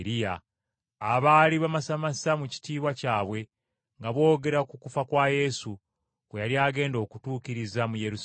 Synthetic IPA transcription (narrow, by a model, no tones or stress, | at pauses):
ɾijaː | βaːliβamasamasamuci̥tiːβwacaːβwe̞ | ŋɡaβo̞ːɡe̞ɾakukufakwaje̞su | wejaljaːɡe̞ːndo̞ːkutuːkiɾizamuje̞ɾus